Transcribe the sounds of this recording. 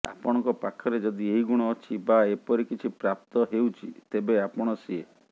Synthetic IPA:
a̰pɔɽ̃ɔ̃ŋkɔpakʰɔɾed͡ʒɔd̪ieɦiɡuɽ̃ɔːt͡ʃʰibaepɔɾikit͡ʃʰipɾap̚t̪ɔɦewt͡ʃʰit̪ebeapɔɽ̃ɔsie

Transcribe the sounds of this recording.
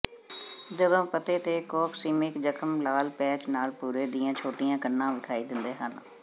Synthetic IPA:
d͡ʒəd̪õːpət̪eːt̪eːkɔːkʰsiːmɪkd͡ʒəkʰəmlaːlpɛːt͡ʃnaːlpuːɾeːd̪ɪjãːt͡ʃʰoːʈɪjãːkənːãːʋɪkʰaːiːd̪ɪnd̪eːɦən

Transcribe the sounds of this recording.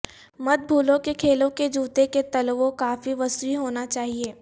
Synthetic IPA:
mɐd̪̚bʱuːlõkekʰeːlõked͡ʒuːt̪eket̪ɐlʋõkaːfiʋɐsiɦoːnat͡ʃaːɦieː

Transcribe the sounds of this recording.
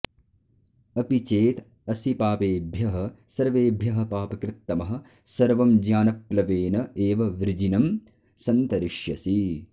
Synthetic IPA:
ɐpit͡ʃeːt̪ | ɐsipaːpeːbʱjɐɦɐ̆sɐɾʋeːbʱjɐɦɐ̆paːpɐkɾɪt̪ːɐmɐɦɐ̆ | sɐɾʋɐmd͡ʒjaːnɐplɐʋeːnɐeːʋɐʋɾd͡ʒinɐm | sɐnt̪ɐɾiʃjɐsi

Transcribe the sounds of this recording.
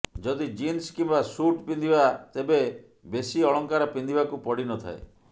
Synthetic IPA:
d͡ʒɔd̪id͡ʒinskimbasuʈpind̪ibat̪ebe | besiɔɭɔŋkaɾɔpind̪ibakupɔɽinɔt̪ʰa̰ḛ

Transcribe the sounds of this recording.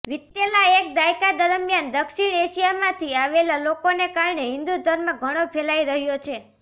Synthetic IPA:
ʋɪt̪ːelaek̚d̪ajkad̪əɾəmjand̪əkʃiɽ̃eʃijamãt̪ʰiaʋelalokonekaɾɳeɦɪ̃nd̪ud̪ʱəɾməɡʱəɽ̃opʰelaiɾəɦjot͡ʃʰe

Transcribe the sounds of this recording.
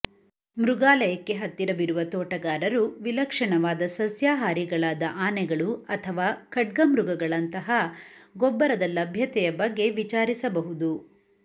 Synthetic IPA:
mɾuɡaːlɐjɐkːe̞ɦɐt̪ːiɾɐʋiɾuʋɐt̪ɔːʈɐɡaːɾɐɾuʋilɐkʂɐɳɐʋaːd̪ɐsɐsjaːɦaːɾiɡɐɭaːd̪ɐʔaːnɛɡɐɭuɐt̪ʰɐʋaːkɐʈ̚ɡɐmɾuɡɐɡɐɭɐnt̪ɐɦɐɡɔbːɐɾɐd̪ɐlɐbʱjɐt̪ɛjɐbɐɡːe̞ʋit͡ʃaːɾisɐbɐɦud̪u

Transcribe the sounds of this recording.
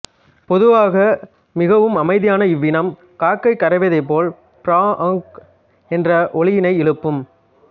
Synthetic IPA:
pɔðɯʋaːɣɐ | mɪɣɐʋɯmɐmɐɪðɪjaːnɐɪʋːɪnɐm | kaːkːɐɪkːɐɾɐʋɐðɐɪp̬ːoːl | pɪɾaːʔɐŋk | ɛndrɐʔɔɭɪjɪnɐɪɪɻɯpːɯm

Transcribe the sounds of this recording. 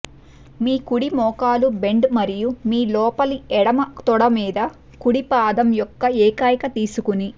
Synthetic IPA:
miːkuɽimɔːkaːlube̞ɳɖmɐɾijumiːlɔːpɐliɛɽɐmɐt̪ɔɽɐmiːd̪ɐ | kuɽipaːd̪ɐmjɔkːɐɛːkaːjɐkɐt̪iːsukuni

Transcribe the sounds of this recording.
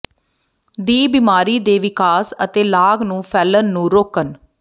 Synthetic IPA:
d̪iːbiːmaːɾiːd̪eːʋɪkaːsət̪eːlaːɡnũːpʰɛːlənːũːɾoːkən

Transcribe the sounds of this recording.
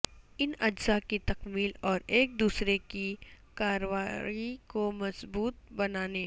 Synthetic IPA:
ɪnɐd͡ʒzakit̪ɐqmiːlɔːɾeːk̚d̪uːsɾeki | kaːɾowaːikomɐsbuːt̪̚bɐnaːne

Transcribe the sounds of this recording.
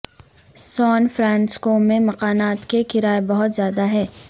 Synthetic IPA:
sɔːnfɾɛ̃ːnskoːmẽmɐqaːnaːt̪kekɪɾaːebɐɦʊt̪zjaːd̪aɦɛː

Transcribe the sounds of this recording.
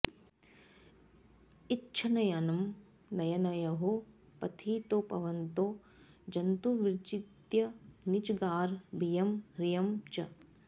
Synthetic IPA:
itːt͡ʃʰɐnɐjanɐm | nɐjɐnɐjɐɦo | pɐt̪ʰiːt̪opɐ̰ʋɐnt̪oː | d͡ʒɐnt̪uʋiɾt͡ʃit̪jɐnit͡ʃɡaːɾbʱijɐmɾijɐmt͡ʃɐ

